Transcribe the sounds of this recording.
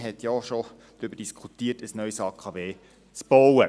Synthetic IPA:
ɦɛt̪jɔʃo | d̥̪ɾʏbəd̥iskʰutiːətəsnœʏsɑːkʰɑveː | t͡sb̥owə

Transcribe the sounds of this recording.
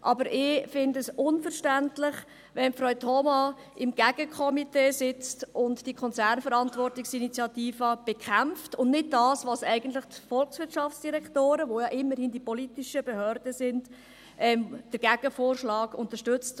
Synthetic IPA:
ʔɑbəɾʔɪfɪndəsʊnfəɾʃtæntlɪχ | ʋɛnfɾɔʏtʰhɔmɑ | ɪmɡ̥æɡ̥əkʰɔmiteːsɪt͡stʊntd̥ikʰɔnt͡sæɾnfəɾɑntvʋɔrtɪksinit͡sjɑtiːfɑb̥ekʰæmftʊnnɪd̚dɑːsʋɑsɛɪɡ̥əntlɪχtfɔlksʋɪɾtt͡ʃʃɑft͡sd̥iɾɛktoːɾəʋojɑʔɪmːəɾhɪnd̥ipɔlitiʃəbehœːɾd̥əsɪnd | ʔɛmd̥əɾɡ̥æɡ̥əfoːɾʃlɑːɡʊntəɾʃtʏt͡st

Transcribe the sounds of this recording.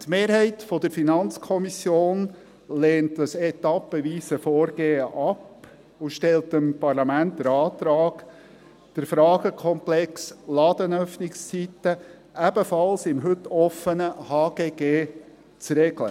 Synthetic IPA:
tmeːɾhɛɪtfɔd̥əɾfinɑnt͡skʰɔmisjoːn | leːntdəsɛt̪ɑpːəʋiːsəfoːɾɡ̥eːəʔɑp | uʃtɛltəmpɑɾlɑmænt̚d̥̪əɾɑːt̪ɾɑːɡ̥ | d̥əɾfɾɑːɡ̥əkʰɔmplɛkslɑːd̪ənœfnɪkst͡sitə | æb̥əfɑlsɪmɦɵtːɔfənəhɑːɡ̥eːɡeː | t͡sɾɛɡ̥lə̰

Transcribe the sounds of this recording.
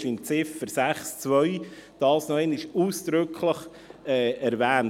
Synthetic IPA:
ʃɪmt͡sɪfəɾsæχst͡svœʏd̥ɑːsnɔɛnɪʃuːsd̥ɾʏkʰləχ | ɛːɛɾvæːn

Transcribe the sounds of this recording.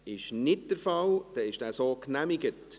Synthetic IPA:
ɪʃnɪt̚d̥əɾfɑld̪̥ɛɪʃd̥æːsoːknæmɪɡət

